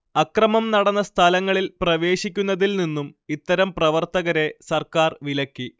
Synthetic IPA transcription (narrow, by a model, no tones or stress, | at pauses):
ɐkrɐmɐmnɐɽɐnːɐst̪ʰɐlɐŋːɐɭilprɐʋe̞ːɕikʲːunːɐðilninːumit̪ːɐɾɐmprɐʋɐrt̪ɐɣɐɾe̞sɐrkaːrʋilɐkːi